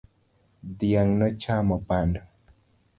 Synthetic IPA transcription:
d̪jaŋnɔt͡ʃamɔpandɔ

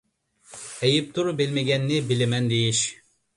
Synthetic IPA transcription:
ejip̚t̪ʰuɾubilmeɡʲɛnːɪbilɪmɛnd̪ejiʃ

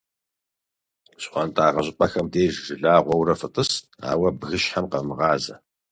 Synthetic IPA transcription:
ɕχʷɑntʰʼaːʁɐɕʼɪpʼɐxɐmdeːʒʒɨɮaːʁʷɔwɾɐfɨtʼɨs | a̰ːwɐbɣɨʃħamqɐmɨʁɑːzɐ̰

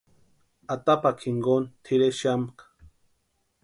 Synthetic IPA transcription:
at̪apakʰiŋɡont̪ʰiɾeʃamkḁ

